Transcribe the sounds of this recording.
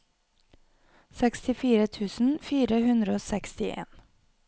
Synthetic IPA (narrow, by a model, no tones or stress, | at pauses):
sɛkst̪ɪfiːɾət̪ʰʉːsn̩fiːɾəhʉnd̪ɾəoːsɛkst̪ɪʔḛːn